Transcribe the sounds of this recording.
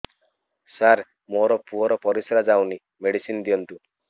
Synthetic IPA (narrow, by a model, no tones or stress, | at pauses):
saɾ | moɾɔpuɔɾɔpɔɾisɾad͡ʒawni | meɽisind̪ijɔnt̪u